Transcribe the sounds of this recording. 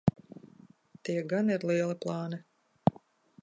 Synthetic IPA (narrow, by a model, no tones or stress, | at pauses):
t̪iɛɡaniɾlˠiɛlˠiplˠɑːni